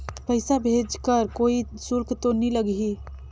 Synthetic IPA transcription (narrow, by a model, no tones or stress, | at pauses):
pəɪsabʱeːd͡ʒkəɾkoːi | sʊɾkʰt̪onĩləɡɦi